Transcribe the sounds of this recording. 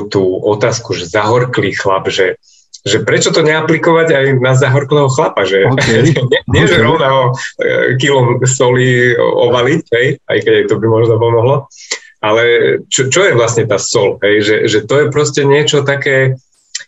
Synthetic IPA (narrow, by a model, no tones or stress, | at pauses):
t̪uːɔt̪aːskuʒɛzaɦɔɾkliːxlabʒɛ | ʒɛpɾɛt͡ʃɔt̪ɔɲɛaplikɔʋaɟajnazaɦɔɾklɛːɦɔxlapaʒɛɲɪɛɲɪɛʒɛɾɔʊnaɦɔ | k̬ilɔmsɔliɔ̰ʋalicɦɛja̰jkɛɟajt̪ɔbimɔʒnɔpɔmɔɦlɔ | alɛt͡ʃɔt͡ʃɔjɛʋlasɲɛt̪aːsɔlɦɛjʒɛʒɛt̪ɔjɛpɾɔscɛɲɪɛt͡ʃɔt̪akɛː